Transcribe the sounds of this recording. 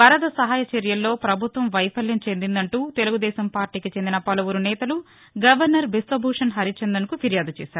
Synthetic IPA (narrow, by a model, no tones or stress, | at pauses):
bɐɾɐd̪ɐsɐɦaːjɐt͡ʃeɾjɐlːo̞ːpɾɐbʱut̪ʋɐmʋɐjpʰɐljɐɲt͡ʃe̞nd̪ind̪ɐɳʈuːt̪e̞luɡud̪ɛːsɐmpaːɾʈiːkit͡ʃe̞nd̪inɐpɐlɐʋuɾunɛːt̪ɐlu | ɡɐʋɐɾnɐɾbisʈ̪ɾobʱuːʂɐnɦɐɾit͡ʃend̪ɐnukupʰiɾjaːd̪ut͡ʃɛːsaːɾu